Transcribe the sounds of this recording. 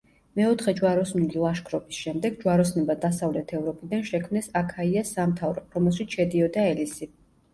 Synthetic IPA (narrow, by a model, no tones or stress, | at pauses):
mɛɔt̪ʰχɛd͡ʒwaɾɔsnililˠaʃkʰɾɔpʰi̥sʃɛmd̪ɛɡd͡ʒwaɾɔsnɛbad̪asavlɛt̪ʰɛvɾɔpʰid̪anʃɛkʰmnɛsakʰaiasamt̪ʰavɾɔɾɔmɛlˠʃit̪sʰʃɛd̪iɔd̪aɛlisi